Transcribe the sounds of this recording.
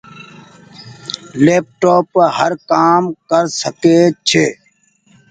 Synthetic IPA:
leːp̚ʈoːpɦəɾkaːmkəɾsəkeːt͡ʃʰeː

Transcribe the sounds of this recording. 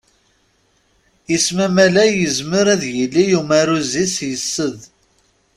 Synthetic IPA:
jəsmæmælæjəzməɾæðjəlːijumæɾuzisjəsːəð

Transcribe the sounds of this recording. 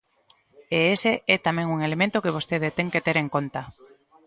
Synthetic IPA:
eeseɛt̪amẽŋuŋelemẽnt̪okeβ̞ost̪eð̞et̪eŋket̪eɾeŋkont̪a

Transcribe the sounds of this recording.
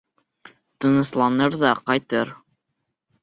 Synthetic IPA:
t̪ɤ̆nɤ̆slˠɑnɤɾðɑqɑjt̪ɤɾ

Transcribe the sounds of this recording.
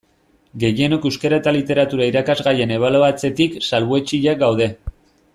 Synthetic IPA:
ɡe̞je̞no̞kewskeɾaet̪alit̪e̞ɾat̪uɾaiɾakazɣaje̞ne̞βaloat͡se̞t̪iksalβue̞t͡ʃiʎaɡawðe̞

